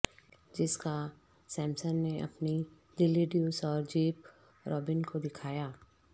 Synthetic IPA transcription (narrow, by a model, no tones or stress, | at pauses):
d͡ʒɪska | sɛ̃ːmsənːeʔɐ̰pni | d̪ɪlːiɖijuːsɔːɾd͡ʒiːp | ɾʔɔːbɪnkod̪ɪkʰaːjaː